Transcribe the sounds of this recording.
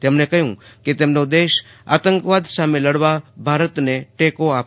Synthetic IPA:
t̪emnekəɦjũket̪emnod̪eʃ | a̰t̪əŋkʋad̪sameləɽʋabʱaɾət̪neʈekoap

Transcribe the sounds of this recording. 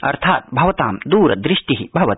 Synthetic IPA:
ɐ̰ɾt̪ʰaːt̪̚bʱɐʋɐt̪aːmd̪uːɾɐ̰d̪ɾɪʂʈiɦibʱɐʋɐt̪

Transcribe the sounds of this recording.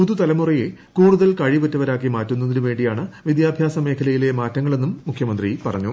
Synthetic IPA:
puðut̪ɐlɐmurijekuːɽuðɐlkɐɻiputːɐʋɐɾaːk̬ːimaːtːunːɐðinuʋe̞ːɳɖijaːɳɨʋid̪jaːbʱjaːsɐme̞ːkʰɐlɐjile̞maːtːɐŋːɐɭe̞nːumːukʰjɐmɐnd̪ripɐrɐɲːu

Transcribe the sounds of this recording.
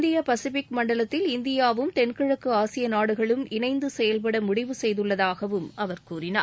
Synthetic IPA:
nd̪ɪjapɐsɪfɪkmɐɳɖɐɭɐt̪ːɪlɪnd̪ɪjaːʋɯmt̪ɛnkɪɻɐkːɯaːsɪjɐnaːɽɯɣɐɭɯmɪnɐɪnd̪ɯsɛjɐlpɐɽɐmʊɽɪʋɯsɛjðɯɭːɐðaːɣɐʋɯmʔɐʋɐɾkuːɾɪna̰ː

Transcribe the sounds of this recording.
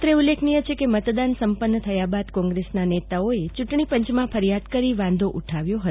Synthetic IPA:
t̪ɾeulːekʰnijət͡ʃʰekemət̪d̪ansəmpənːət̪ʰəjabad̪kɔ̃ŋɡɾesnanet̪aoet͡ʃuʈɳipəɲt͡ʃmãfʰəɾijad̪kəɾiʋãnd̪ʱoʔuʈʰaʋjoɦət̪

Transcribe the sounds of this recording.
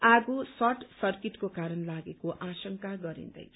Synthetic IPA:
aɡusʌʈsʌrkiʈkokaɾʌnlaɡekoʔasʌŋkaɡʌɾḭnd̪ʌ̰j

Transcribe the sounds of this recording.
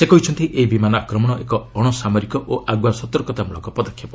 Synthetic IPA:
sekɔɦit͡ʃʰɔnt̪iʔeibimanɔakɾɔmɔɽ̃ɔʔekɔɔɽ̃ɔsamɔɾikɔʔoʔaɡwasɔt̪ɔɾkɔt̪amuɭɔŋkɔpɔd̪ɔkʰːjapɔ

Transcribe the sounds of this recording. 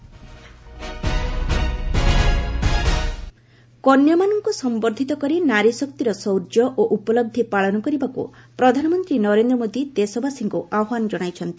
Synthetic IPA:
kɔnjɔmanɔŋkusɔmbɔɾd̪ʱit̪ɔkɔɾinaɾisɔk̚t̪iɾɔsɔwɾd͡ʒɔʔoʔupɔlɔb̚d̪ʱipaɭɔnɔkɔɾibakṵpɾɔd̪ʱanɔmɔnt̪ɾinɔɾend̪ɾɔmod̪id̪esɔbʱasiŋkuʔaɦand͡ʒɔɽ̃ajt͡ʃʰɔnt̪i

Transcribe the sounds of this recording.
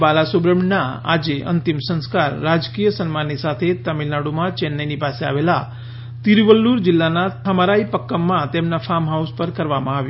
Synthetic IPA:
balasubɾəmnaa̰d͡ʒeʔə̰nt̪imsə̃nskaɾːad͡ʒkijəsənmanːisat̪ʰet̪əmilnaɽumãt͡ʃenːənipasea̰ʋela | t̪iɾʋəlːuɾd͡ʒilːanaəmaɾaipəkːəmːãt̪emnapʰamɦauspəɾkəɾʋamãaʋju

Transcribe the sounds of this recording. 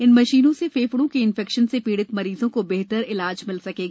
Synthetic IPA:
ɪnmɐʃiːnõsefeːfɽõkeɪ̃nfɛkʃənsepiːɽɪt̪mɐɾiːzõkobɛɦt̪əɾɪlaːd͡ʒmɪlsɐkeːɡaː

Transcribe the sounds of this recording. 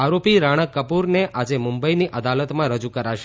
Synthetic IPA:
aɾopiɾaɽ̃əkːəpuɾneʔad͡ʒemʊmbəiniʔʔəd̪alət̪mãɾəd͡ʒukəɾaʃe

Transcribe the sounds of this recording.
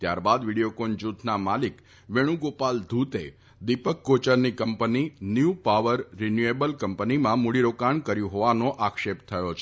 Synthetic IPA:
t̪ja̰ɾbad̪ʋiɽijokond͡ʒut̪ʰnamalik | ʋeɽ̃ũɡopald̪ʱut̪e | d̪ipəkːot͡ʃəɾnikəmpəninjupaʋəɾːenjuebəlkəmpənimãmuɽiɾokaɳkəɾjũɦoʋanoʔakʃept̪ʰəjot͡ʃʰe

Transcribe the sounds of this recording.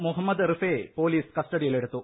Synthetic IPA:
muɦɐmːɐd̪rifeːpo̞ːliːskɐsʈɐɽijile̞ɽut̪ːu

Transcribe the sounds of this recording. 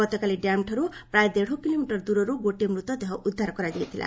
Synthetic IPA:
ʌt̪ɔkaliɖjamʈʰʌɾuprajd̪eɽ̤okilomiʈʌrd̪uɾʌɾuɡoʈemrut̪ʌd̪ʌɦʌʔud̪ʱːaɾkʌɾad̪ijt̪ʰilʔa̰

